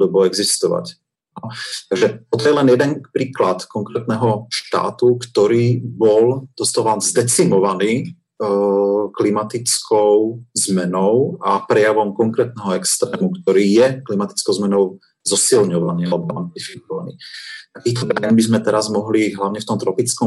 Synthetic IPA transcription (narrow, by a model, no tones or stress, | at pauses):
ud̪ɔbɔɛɡzist̪ɔʋa̰c | anɔt̪aɡʒɛt̪ɔt̪ɔjɛlɛnjɛd̪ɛnpɾiːklat̪kɔŋkɾɛːt̪nɛɦɔʃt̪a̰ːt̪ukt̪ɔɾiːbɔld̪̥ɔst̪ɔʋanzd̪ɛt͡simɔʋaniː | klimat̪it͡skʰɔʊzmɛnɔʊapɾɛjaʋɔmkɔŋkɾɛːt̪̚nɛɦɔɛkst̪ɾɛːmukt̪ɔɾiːjɛklimat̪i̥t͡skɔʊzmɛnɔʊ | zɔsilɲɔʋaniːalɛbɔanp̪lifik̚ɔʋanḭːt̪akiːt̪ɔbɾajɛnbizmɛt̪ɛɾazmɔɦliɦlaʊɲɛft̪ɔmt̪ɾɔpit͡skɔ